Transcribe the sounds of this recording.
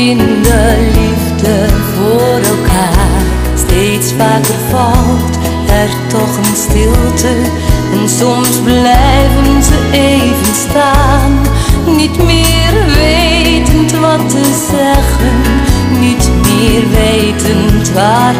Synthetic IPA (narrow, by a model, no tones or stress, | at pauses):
ɪndəlivdəvoːɾɛlˠkaː | stejtsfaːkərfɑwt | ɛrtɔχənstɪlˠtʰə | ɛnsɔmsblɛjjvənzəʔejvənstaːnːitmɪːrʋejtəntʋɑtːəzɛχənːitmɪːrʋejtəntʋaːr